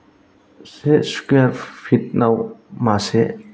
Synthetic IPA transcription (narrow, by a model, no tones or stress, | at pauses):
sɛʔskafit̪̚nɐwmasɛʔ